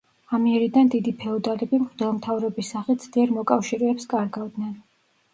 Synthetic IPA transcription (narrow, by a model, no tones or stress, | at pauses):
amiɛɾid̪and̪id̪ipʰɛɔd̪alɛbimχd̪ɛlˠmt̪ʰavɾɔbisːaχit̪z̥d̪iɛɾmɔkʼafʃiɾɛːpskʼaɾɡavd̪nɛn